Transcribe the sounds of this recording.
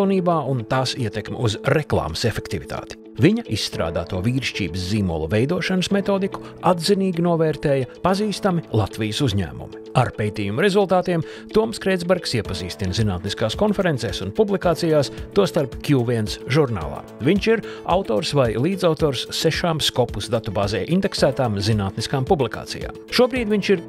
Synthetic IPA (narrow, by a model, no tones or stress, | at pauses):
niːbaːʔunt̪aːsiɛt̪ekmʲɪ̰uzɾeklˠa̰ːməsefekt̪ivit̪ʰa̰ːt̪i̥ | viɲɐʔisːt̪ɾa̰ːd̪a̰ːt̪uɔvʲiːɾʃt͡ʃḭːbəsziːmṵlˠuvejd̪uɔʃanəsmet̪oːd̪iku̥ | ad̪ziniːɡʲinuɔvɛːɾt̪eːjɐpaziːst̪amilˠat̪vijəsuzɲæ̰ːmṵmiaɾpejt̪iːjumuɾezulˠt̪aːt̪iɛm | t̪uɔmskɾejd̪zbɛɾksiɛpɐzḭːst̪inzina̰ːt̪niskaːskɔnfɛɾent̪sɛːsunpublˠikaːt̪sijaːst̪uɔst̪aɾpkʲjuːviɛnsʒuɾna̰ːlˠa̰ːviɲt͡ʃiɾa̰wt̪oːɾsvajlˠiːd̪zawt̪oːɾsːɛʃaːmskɔpusd̪at̪ubaːzɛːʔind̪ɛksæːt̪aːmzinaːt̪niskaːmpublˠika̰ːt̪sḭja̰ːmʃuɔbɾiːd̪ʲviɲt͡ʃiɾ